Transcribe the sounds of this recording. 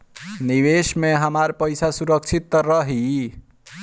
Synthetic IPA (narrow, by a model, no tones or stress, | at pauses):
niʋesmeɦəmaɾpəjsʰasuɾək̚t͡ʃʰit̪ːɾʌɦi